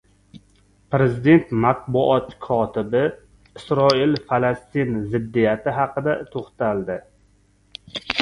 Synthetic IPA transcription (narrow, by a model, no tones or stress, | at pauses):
pɾe̞zid̪e̞nt̪mat̪̚bʊʔɒt̪kʰɒt̪ʰɪbɪ | ɪsɾɒɪlfalast̪inzɪd̪ːijat̪ʰɪɦɑqɨd̪at̪ʰoχt̪ʰald̪ɪ